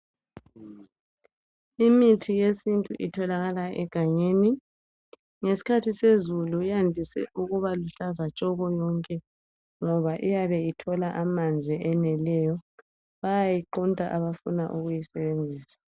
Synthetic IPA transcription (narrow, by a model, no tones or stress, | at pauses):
imitʰijesintʼuʔitʰɔlaɣalaʔɛɡ̥ʱaɲeːni | ŋesi̥kʰatʰisezulujandʱisɛ̰ʔuɣuβaluɬazat͡ʃʼɔɣɔjɔŋkʼɛ | ŋɔβaʔijaβɛitʰɔlaʔamand͡ɮʱɛʔɛnɛlɛjɔ | βajajiǃuntʼa̰ʔaβafunaʔuɣujisɛβend͡zʱiːsḁ